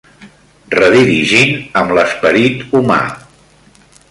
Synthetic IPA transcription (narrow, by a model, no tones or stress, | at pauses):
rəðiɾiʒinəmləspəɾit̪uma̰